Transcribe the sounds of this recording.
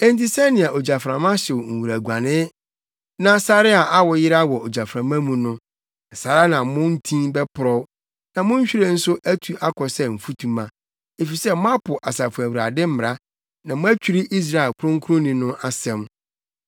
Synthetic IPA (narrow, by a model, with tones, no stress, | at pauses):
ɛ̃˦n˦ti˦sɛ˦nɪ̃˨a˨ʔo˨d͡ʑa˨fɾã˨mã˦ɕɪ˨w̩˨wu˨ɾæ˨ɡã˨nɪ̃˦ | nã˦sa˦ɾɪ˦a˨ʔa˦wɔ˨jɪ˦ɾa˦wɔ˨o˨d͡ʑa˨fɾã˨mã˦mũ˨nʊ̃˦˨ | sa˨ɾa˦nã˨mʊ̃˦n˦tʰĩ˦bɛ˦pʰʊ˨ɾɔ˦ | nã˨mʊ̃˦ɲ˦ɕᶣi˦ɾe˦n̩˦sʊ˦ʔæ˦tʰu˨ʔa˦kʰɔ˨sɛ˦m̩˨fu˦tʰũ˨mã˨ | e˨fi˨sɛ˦mʊ̃˦a˦pʰʊ˨ʔa˨sa˨fʊ˨æ˨wu˨ɾa˨dɪ˦m̩˦m˨ɾa˦ | nã˨mʊ̃˦æ˦t͡ɕᶣi˦ɾi˦ʔi˦s̬ɾa˨ɪ˨kʰʊ˦ɾʊ̃˦ŋ˦kʰu˦ɾʊ̃˦nĩ˨nʊ̃˦ʔa˦sɛ̃˦m